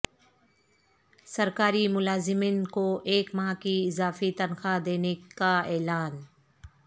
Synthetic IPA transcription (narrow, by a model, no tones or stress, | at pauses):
sɐɾkaːɾimʊlaːzɪmiːnkoʔeːkmaakiɪzaːfit̪ɐnxad̪eːnekaɛːlaːn